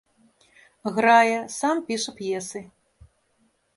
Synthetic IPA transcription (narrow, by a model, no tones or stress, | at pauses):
ɣɾajɛsampʲiʂɐpjɛsɨ